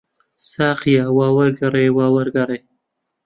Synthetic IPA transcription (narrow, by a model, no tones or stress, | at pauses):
saːqijaːwaːwɐɾɡɐɾeːwaːwɐɾɡɐɾe